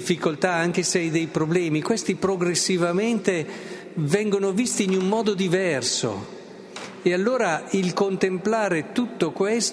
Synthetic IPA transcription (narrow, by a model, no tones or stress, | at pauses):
fːikolt̪aaŋk̟eseajd̪ejpɾoblɛːmikwest̪ipɾoɡɾesːivament̪e | vɛŋɡonovist̪iːnummɔːd̪od̪ivɛrso̰ | ealːoːɾailkont̪emplaːɾet̪ut̪ːokwes